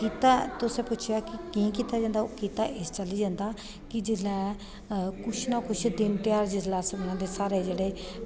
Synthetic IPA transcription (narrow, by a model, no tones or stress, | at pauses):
kiːt̪aːt̪ʊsẽːpʊːt͡ʃʰjaːkɪkĩːkiːt̪aːd͡ʒãːnd̪aːokiːt̪aːʔɪst͡ʃəliːd͡ʒãːnd̪aː | kɪd͡ʒɪlɛː | kʊt͡ʃʰnãːkʊt͡ʃʰd̪ɪnpɪjaːɾd͡ʒɪzlaːsbəñãːd̪eːsaːɾeːd͡ʒeːɽeː